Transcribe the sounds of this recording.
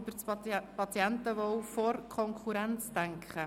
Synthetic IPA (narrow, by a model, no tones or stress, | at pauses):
b̥əɾt͡spɑt͡siɛntəʋofɔɾkʰɔŋkʰuɾɛnt͡sd̥æŋkχə